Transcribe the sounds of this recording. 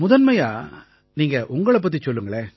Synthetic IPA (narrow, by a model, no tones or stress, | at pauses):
mʊðɐnmɐjaː | niːŋɡɐʔʊŋɡɐɭɐp̬ːɐt̪̬ːit͡ʃɔlːɯŋɡɐɭeː